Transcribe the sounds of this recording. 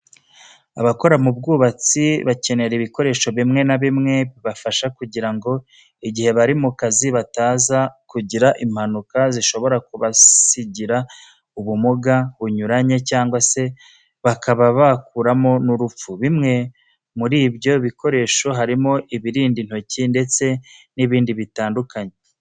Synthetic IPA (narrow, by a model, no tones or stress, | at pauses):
a̰βako̞ɾamub̚ɡuːβat͡siβace̞ne̞ɾiβiko̞ɾe̞ːʃo̞βimŋe̞naβimŋe̞βiβafaʃakuɟiɾaŋɡo̞ | iɟihe̞βaɾimukaziβataːzakuɟiɾaʔim̥hanukaziʃo̞βo̞ɾakuβasiɟiɾa | uβumuɡaβuɲuɾaɲe̞caːŋɡwase̞ | βakʰaβaβakuɾamo̞nuɾup͡fuβimŋe̞ | muɾiːbjo̞βiko̞ɾe̞ːʃo̞ɦaɾimo̞ʔiβiɾiːndin̥ho̞cinde̞t͡se̞niβiːndiβitaːndukaɲe̞